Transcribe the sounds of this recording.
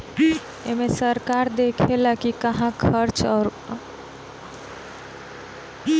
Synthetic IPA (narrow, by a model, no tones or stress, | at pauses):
ḛmesəɾkaɾd̪ekʰelakikəɦãkʰəɾt͡ʃʰɔɾ